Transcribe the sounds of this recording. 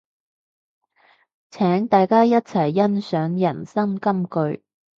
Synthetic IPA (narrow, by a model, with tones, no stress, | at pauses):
t͡sʰɛː˨˥ŋt̪aː˨jkaː˥jɐ˥t̚t͡sʰɐ˨˩jːɐ˥nsœː˨˥ŋjɐ˨˩nsɐ˥ŋkɐ˥mkɵ˨˧ɥ